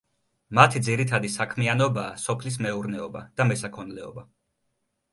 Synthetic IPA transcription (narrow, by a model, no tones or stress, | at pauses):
mat̪ʰid̪ziɾit̪ʰad̪isakʰmianɔbaːsɔpʰlis̬mɛuɾnɛɔba̰d̪̥amɛsakʰɔnlɛɔ̰ba